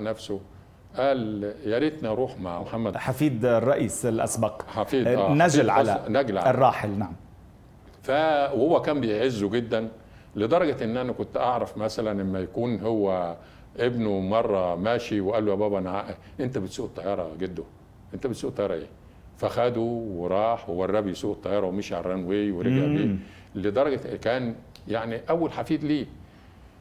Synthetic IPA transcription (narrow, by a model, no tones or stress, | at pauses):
næfso | ʔæːljælit̪niɑɾˤuːħmaʕmoħamːæd̪ħafiːd̪rˤːɑʔiːsɪlʔa̰sbɑqħafiːdæːnːæʒlʕalænæɡlʕarˤːɑːħɪlnaʕam | fæwhowːækæːmbejʕezːuɡed̪ːæn | led̪ˤɑɾˤɑɡæʔenːʔænækʊnt̪ʔɑʕɾˤɑfmæsælænʔemːæjækuːnɦowːæ | ʔebnomɑrˤːɑmæːʃiweʔæːlːujæbæːbænʕaːʔæ | ʔent̪æbet̪suːʔt̪ˤːɑjːɑːɾˤɑɡed̪ːo | ʔent̪æbet̪suːʔt̪ːˤɑjɑɾˤɑʔḛː | fæxæd̪uweɾˤɑːħwewɑrˤːɑbijsuːʔet̪ˤːɑjːɑːɾˤɑwemeʃʕɑ̰rˤːɑnweːweɾeɡeʕbeː | led̪ˤɑɾˤɑɡɑkæːn | jaʕniʔæwːælħafiːd̪liː